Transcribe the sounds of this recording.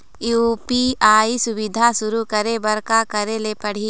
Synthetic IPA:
jupiaːisʊʋɪd̪ʱasʊɾukɐɾebɐɾkakɐɾelepɐɽ̤iː

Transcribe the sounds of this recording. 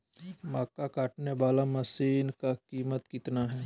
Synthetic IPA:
maːkakaːʈneʋaːlamɐsiːnkakiːmət̪kɪt̪naɦɛː

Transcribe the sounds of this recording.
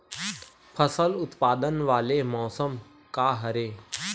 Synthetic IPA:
pʰəsəlʊt̪paːd̪ənʋaːlemɔːsəm | kaːɦɐɾeː

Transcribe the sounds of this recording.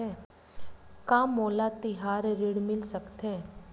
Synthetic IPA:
ɛ̃ː | kãːmoːlat̪ɪɦaːɾɾɪɽmɪlsəkt̪ɦɛ̃ː

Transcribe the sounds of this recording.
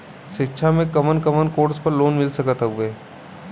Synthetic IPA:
ʃɪkːʃʰamẽkɐmənkəmənkoːɾspɐɾloːnmɪlsəkət̪ɦɐʊʋeː

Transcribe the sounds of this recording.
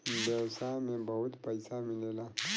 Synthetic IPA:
besamẽbaut̪pajsaminela

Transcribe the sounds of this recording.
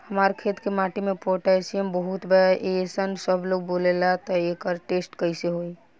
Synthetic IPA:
həmaɾkʰet̪kemaʈimepoʈaesijəmbəɦut̪bɛʔesənsəbʱloɡ̚bolelat̪ɔekəɾʈesʈkəjseɦoj

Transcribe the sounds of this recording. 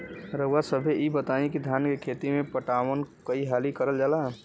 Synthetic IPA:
ɾəwasəbʱeʔibət̪aĩkid̪ʱjaːnkekʰeːt̪imẽpəʈaːwənkəiɦaːlikəɾəld͡ʒaːla

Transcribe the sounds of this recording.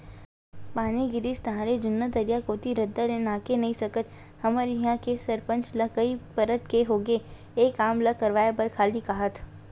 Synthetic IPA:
paːniɡɪɾist̪ɐɦãːɾed͡ʒʊnːəd̪əɾijakoːt̪iɾɐd̪ːaɾenaːkenɐɦĩsɐkət̪ | hɐməɾjiɦãkesɐɾpə̃nt͡ʃlɐkəipɐɾət̪keɦoːɡe | eːkaːmlɐkɐɾʋaːebɐɾkʰaːlikaːɦət̪ʰ

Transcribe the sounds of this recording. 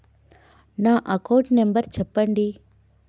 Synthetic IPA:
naːʔɐkɐwʈnembɐɾt͡ʃɛpːɐɳɖi

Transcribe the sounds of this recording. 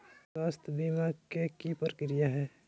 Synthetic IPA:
swaːst̪ʰbimaɡkekipəɾəkɾijaɦɛː

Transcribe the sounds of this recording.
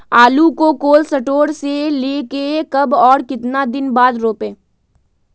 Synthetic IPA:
aːlukokoːlsɐʈoːɾseleːkekɐbɔːɾkɪt̪nad̪ɪnbaːd̪ɾoːpẽː

